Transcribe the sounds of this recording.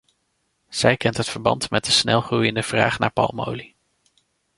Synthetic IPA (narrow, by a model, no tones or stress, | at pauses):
z̥ɛjkɛntɦətfəɹbɑ̰ntmɛt̚dəsnɛlˠχrujəndəv̥ra̰ːχnaːɹpɑ̰lˠmo̰wli